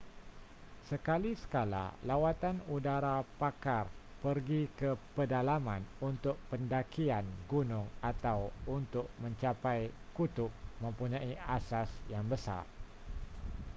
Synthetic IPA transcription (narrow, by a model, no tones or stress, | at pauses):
səkalisə̥kala̰lawat̪anudaɾapakarpərɡikəpədalamã̰nunt̪ʊk̚pəndakianɡunʊ̃ŋat̪awunt̪ʊk̚mə̃ɲt͡ʃapajkut̪ʊk̚mə̃mpuɲãiasasjaŋbəsa̰r